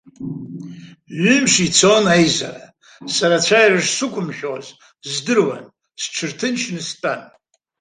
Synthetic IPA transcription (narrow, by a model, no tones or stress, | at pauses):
ʒʊmʂit͡sʰonajza̰ra | saɾat͡ɕʷʰajraʐsɨkʷʰʼʊmʃᶣoz | zdɨrwa̰n | sʈ͡ʂʷʰɨrtʰɨnʃʰnɨstʼan